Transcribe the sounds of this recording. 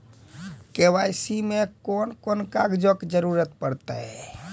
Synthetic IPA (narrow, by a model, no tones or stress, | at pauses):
kewajsimekonkonkaɡd͡ʒokd͡ʒəɾuɾət̪̚pəɽt̪a̰